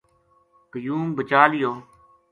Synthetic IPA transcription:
kəjuːmbət͡ʃaːlɪjoː

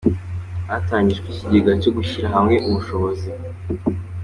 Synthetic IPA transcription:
ataːɲɟiʒkwiciɟiɡacoɡuçiɾaɦamŋe̞ʔumuʃo̞βo̞zi

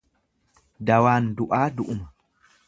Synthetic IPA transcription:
d̪ɐwaːnd̪ʊʔaːd̪ʊʔʊmɐ

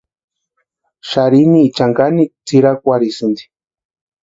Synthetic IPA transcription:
ʃaɾiniːt͡ʃaŋɡanit͡siɾakʷaɾisɨnd̪i̥

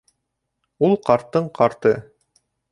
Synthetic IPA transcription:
ulˠqɑɾt̪ːɤɴqʰɑɾt̪ɤ

